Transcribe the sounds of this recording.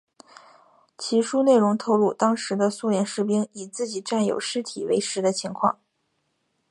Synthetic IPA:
t͡ɕʰi˧˥ʂu˥ne˥˩ɪɻʊ˧˥ŋt̪ʰo˥˧ʊlu˥˩t̪ɑ˥ŋʂɻ̩˧˥d̪ə˧su˥˧ljɛ˧˥nʂɻ̩˥p̬i˥ŋi˨˩t͡sɹ̩˥˩t͡ɕi˨˩ʈ͡ʂa˥˩njo˨˩ʊʂɻ̩˥t̪ʰḭ˨˩wḛ˧˥ɪʂɻ̩˧˥d̪ə˧t͡ɕʰi˧˥ŋkʰwɑ̰˥˩ŋ

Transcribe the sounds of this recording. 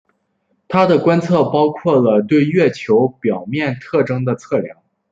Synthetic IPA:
t̪ʰa˥d̪ə˨kwa˥nt͡sʰɤ˥˩pɑ˥ʊkʰwɔ˥˩lə˩t̪we˥˧ɪɥɛ˥˩t͡ɕʰjo˧˥ʊpjɑ˨˩ʊmjɛ˥˧nt̪ʰɤ˥˩ʈ͡ʂɤ˥ŋd̪ə˨t͡sʰɤ˥˩ljɑ̰˧˥ŋ

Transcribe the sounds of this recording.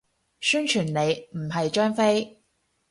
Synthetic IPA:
syː˥nt͡ʃʰyː˨˩nne˨˧jm̩˨˩ɦɐ˨jt͡ʃœː˥ŋfe˥j

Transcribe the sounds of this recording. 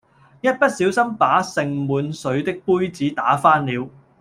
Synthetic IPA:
jɐ˥t̚pɐ˥t̚siː˨˥wsɐ˥mpaː˨˥sɪ˨ŋmuː˨˧nsɵ˨˧˥ɥt̪ɪ˥k̚puː˥jt͡siː˨˥t̪aː˨˥faː˥nliː˨˧w

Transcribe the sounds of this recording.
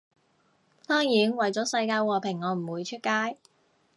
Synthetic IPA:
t̪ɔː˥ŋjiː˨˥nwɐ˨jt͡sɔː˨˥sɐ˧jkaː˧jwɔː˨pʰɪ˨˩ŋːɔː˨˧m̩˨˩wuː˨˧jt͡ʃʰɵ˥t̚kaː˥j

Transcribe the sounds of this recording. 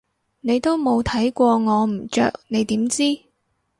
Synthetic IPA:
ne˨˧jt̪o˥wmo˨˧wt̪ʰɐ˨˥jkʷɔː˧ŋɔː˨˧m̩˨˩t͡ʃœ̰ː˨k̚ne˨˧jt̪iː˨˥mt͡siː˥

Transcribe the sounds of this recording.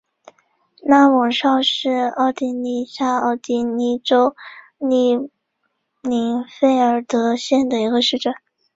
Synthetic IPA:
na˥˩wɑ˨˩ŋʂɑ˥˧ʊʂɻ̩˥˧ɑ˥˩ʊt̪i˧˥˩ni˧˥ɕja˥ɑ˥˩ʊt̪i˧˥ni˧˥ʈ͡ʂo˥ʊ | ni˥˧˩ | ni˧˥ŋfe˥ɪə˞˨˩˥t̪ɤ˧˥ɕjɛ˥˩nd̪ə˩i˧˥ɡə˧ʂɻ̩˥˩ʈ͡ʂə˨˩˦

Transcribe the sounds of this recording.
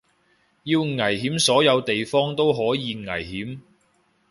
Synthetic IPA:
jiː˧wŋɐ˨˩jɦiː˨˥msɔː˨˥jɐ˨˧wt̪e˨jfɔː˥ŋt̪o˥wɦɔː˨˥jiː˨˧ŋɐ̰˨˩jɦiː˨˥m

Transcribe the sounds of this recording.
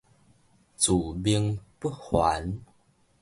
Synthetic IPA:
t͡su˨˩bi˧əŋpu˦˥hwa̰˨˦n

